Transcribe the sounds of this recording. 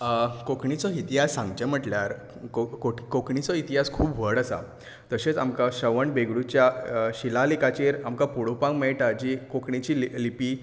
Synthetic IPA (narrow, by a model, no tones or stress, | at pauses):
kokɳit͡sɔit̪iɦasːãŋɡd͡ʑəm̤əʈljaɾ | kokoʈkokɳit͡sɔit̪iɦaskʰuːbʋəɽəsa̰ | t̪əɕet͡samkaɕəʋəɳbeɡɽut͡ɕjaɕilalikat͡ɕeɾamkapuɽopãŋɡmeʈad͡ʑikokɳit͡ɕillipiː